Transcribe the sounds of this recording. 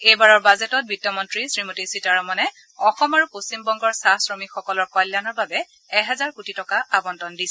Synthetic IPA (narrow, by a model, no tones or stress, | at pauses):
ejbaɹɔɹbazetɔt̚bitːɔmɔntɹisɹimotisitaɹɔmɔnɛ | ɔxɔmaɹupostimbɔŋɡɔɹsasɹomikxɔkɔlɔɹkɔjljanɔɹbabɛ | ɛɦɛzaɹkutitɔkaabɔntɔndisɛ